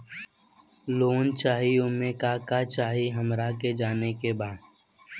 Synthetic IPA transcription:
loːnt͡ʃaːɦiʊmẽkaːkat͡ʃaːɦiɦəmɾaked͡ʒaːnekebaːd̪

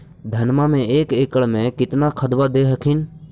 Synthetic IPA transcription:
d̪ʱənmamẽeːkeːkəɭmẽkɪt̪nakʰəd̪ʋad̪eːɦəkʰɪn

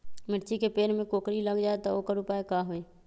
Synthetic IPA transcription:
mɪʈt͡ʃikepeːɾmẽkoːkɾiləɡd͡ʒaːet̪ooːkəɾʊpaːekaːɦoeː

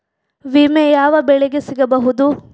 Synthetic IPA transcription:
ʋimejaːʋɐbɛɭeɡesiɡɐbɐɦud̪u

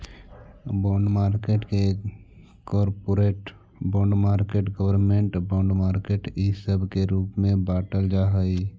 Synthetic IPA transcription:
boːɳɖmaːɾkeːʈke | kɔːɾpoɾeːʈ | bõːɳɖmaːɾkeːʈɡəwəɾmẽɳʈbõːɳɖmaːɾkeːʈisəbʱkeɾuːpmẽbaːʈəld͡ʒaɦəi

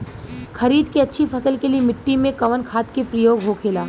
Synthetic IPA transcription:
xɐɾiːd̪keɐtːʃʰipʰɐsəlkeliemɪʈːimẽkɐʋənkʰaːt̪kepɾɐjoːɡɦokʰeːlaː

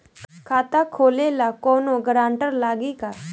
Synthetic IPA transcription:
kʰaːt̪akʰoːlelakɔːnoɡɾaːɳʈəɾlaːɡiːkaː

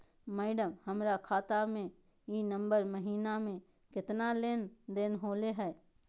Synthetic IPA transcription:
mɛːɖəmhɐmɾakʰaːt̪amẽ | iːnə̃mbəɾməɦiːnamẽ | kɪt̪naleːnd̪eːnɦoːleɦɛː

